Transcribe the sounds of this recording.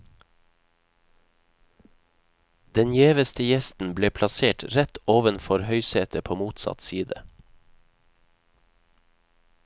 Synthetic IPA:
d̪ɛnjeːʋəst̪əjɛst̪n̩bleːpʰlɑseːʈɾɛt̪oːʋənfɔɾhœʏseːt̪ʰəpʰoːmuːt̪sɑ̰t̪siːd̪ə

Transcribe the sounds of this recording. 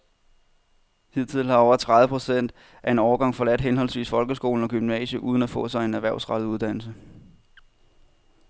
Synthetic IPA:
hið̰ˠt͡sʰið̰ˠlhɑ̈ɒʊɐt͡sʰʁaðʋəpʰʁosen̰d̥ | ʔæe̝nɒːɐɡ̥ɑ̈ŋ̰fɒ̽læd̥ɦenɦɒ̽lsʋḭːsfɒ̽lɡ̥əsɡ̥o̝̰ːln̩ɒ̽ɡ̥ymnɛ̰ːɕəʔuːð̞ˠn̩æfɔ̰̽ːsɑ̈ɪe̝næʋæɐ̰sʁɑ̈d̥̩ˠuðˠd̥æn̰l̩sə

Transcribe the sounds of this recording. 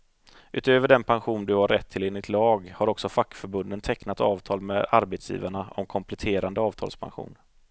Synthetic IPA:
ʔʉ̟ːt̪øːvəɖɛnpʰanɧuːnd̪ɵhaɾːɛt̪ʰːɪleːnɪt̪lɑːɡhaɾɔksɔfakːfœɾbɵnd̪ənt̪ʰɛknat̪ɑːvt̪ʰɑːlmɛaɾbɛt̪sjḭːvaɳaɔ̰mkʰɔmpʰlɛt̪ʰeːɾand̪əɑːvt̪ʰɑ̰ːlspʰa̰nɧṵːn

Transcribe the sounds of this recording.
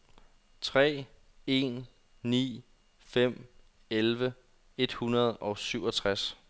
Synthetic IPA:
t͡sʰʁɛ̰ː | e̝̰ːnː | ḭː | fem̰ | elʋə | e̝d̥hunɐð̞ˠʔɒ̽ʊsyʊɒt͡sʰʁas

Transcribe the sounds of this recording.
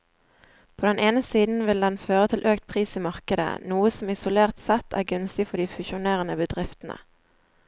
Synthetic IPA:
pʰoːd̪ɛnʔeːnəsiːd̪n̩ʋɪld̪ɛnføːʁət̪ʰɪlʔøːkt̪̚pʰʁiːsiːmɑʁkəd̪ə̰nuːəsɔmɪsʊleːʁt̪sɛt̪ʰæ̰ːʁɡʉnst̪ɪfɔd̪iːfʉʃʊneːʁənəbəd̪ʁɪft̪ənə̰

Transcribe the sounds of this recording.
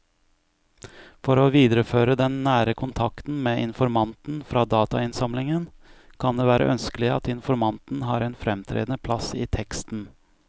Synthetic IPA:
fɔɾoːʋiːd̪əɾəføːɾəd̪ɛnːæːɾəkʰʊnt̪ʰɑkt̪n̩meːʔɪnfɔɾmɑnt̪n̩fɾɑːd̪ɑːt̪ɑɪnsɑmlɪŋənkʰɑnd̪eːʋæːɾə̰ʔœnskəlɪɑ̰t̪ɪnfɔɾmɑnt̪n̩ɦɑːɾɛːnfɾɛmt̪ʰɾḛːd̪nəpʰlɑsiːt̪ʰɛkst̪n̩

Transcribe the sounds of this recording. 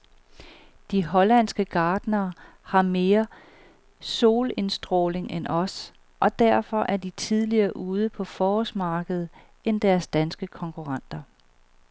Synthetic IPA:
d̥iɦɒ̽læn̰sɡ̥əɡ̥ɑ̈ːd̥nɐː | hɑ̈me̝ːɐ | so̝ːle̝nsd̥ʁo̰ːle̝ŋʔenʔɒ̽s | ʔɒ̽d̥æɐ̰fɒ̽ʔæɐd̥it͡sʰið̞ˠliɐːʔuːð̞ˠəpʰɒ̽fɒːɔsmɑ̈ːɡ̥əð̞̩ˠ | end̥æɐsd̥ænsɡ̥əkʰɒ̽ŋkʰuʁɑn̰d̥ɐ

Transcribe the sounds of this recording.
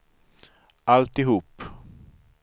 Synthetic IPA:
ʔalt̪ɪɦuːp

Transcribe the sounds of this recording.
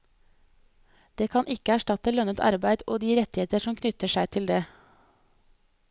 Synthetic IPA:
d̪̥eːkʰɑnʔɪkəæʃʈɑt̪əlœnət̪ʰɑ̰ɾbæɪd̪ʔoːd̪iːɾɛt̪ɪheːt̪əʃɔmkʰnʏt̪əʃæɪt̪ʰɪld̪eː

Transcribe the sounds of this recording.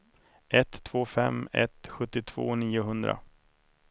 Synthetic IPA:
ʔɛt̪ʰːv̥oːfɛmːɛ̰t̪ɧɵt̪ːɪt̪ʰv̥o̰ːniːʊɦɵnd̪ɾa̰

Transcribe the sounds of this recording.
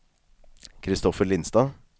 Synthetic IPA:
kʰɾɪst̪ɔfəɭɪnst̪ɑː

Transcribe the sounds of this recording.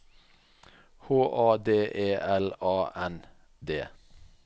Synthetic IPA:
hoːʔɑːd̪eːʔeːʔɛlɑːʔɛn | d̪eː

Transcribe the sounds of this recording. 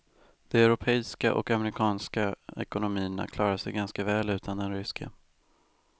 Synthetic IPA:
d̪̥ɔɛɾʊpʰɛːska̰ʔɔ̰kamɛɾɪkʰɑːnskaɛ̰kʊnʊmiːna̰kʰlɑːɾaʂɛjɡanskavɛːlʉ̟ːt̪ʰand̪ɛnɾʏskʰa̰

